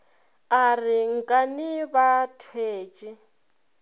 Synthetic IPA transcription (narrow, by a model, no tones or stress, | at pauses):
ariŋ̩kʼaniβatʰweːt͡ʃʼi